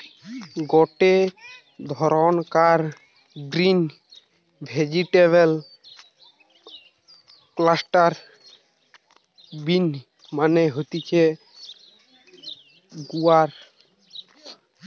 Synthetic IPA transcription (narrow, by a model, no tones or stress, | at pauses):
ɡɔʈe | d̪ʱɔɾɔnkaɾ | ɡɾin | bʱed͡ʑiʈeβel | klasʈaɾ | bin | maneɦot̪it͡ʃʰe | ɡuaɾ